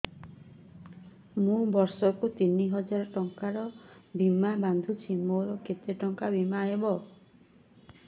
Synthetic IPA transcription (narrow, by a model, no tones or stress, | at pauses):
mũbɔɾsɔkut̪iniɦɔd͡ʒaɾɔʈɔŋkaɾɔbimaband̪ʱut͡ʃʰimoɾɔket̪eʈɔŋkabimaɦebɔ